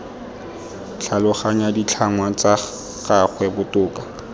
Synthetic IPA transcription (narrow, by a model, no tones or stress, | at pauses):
t͡ɬʰalʊχaɲadit͡ɬʰaŋwat͡sa | kaχwɛbʊtʼʊːka